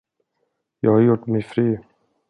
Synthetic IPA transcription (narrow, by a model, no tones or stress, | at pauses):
jɑːɡhaɾjʊʈːmɛfɾyː